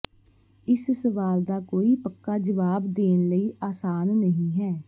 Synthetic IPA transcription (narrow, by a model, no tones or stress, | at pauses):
ɪssəʋaːld̪aːkoːiːpəkːaːd͡ʒəʋaːbd̪eːnləiːʔaːsaːnːəɦĩːɦɛː